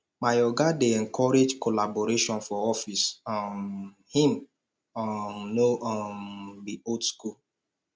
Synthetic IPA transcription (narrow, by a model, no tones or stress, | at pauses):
majɔɡadeɛŋ̩kʰɔɾed͡ʒkolaboɾeʃɔnfɔɔfisan | him | ɔnoɔbiodskul